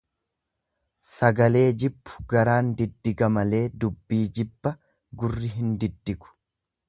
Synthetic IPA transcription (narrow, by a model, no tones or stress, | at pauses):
sɐɡɐle̞ːd͡ʒɪbːʊ̥ɡɐɾaːnd̪ɪd̪ːɪɡɐmɐle̞ːd̪ʊbːiːd͡ʒɪbːɐ | ɡʊrːɪɦɪnd̪ɪd̪ːɪɡʊ̥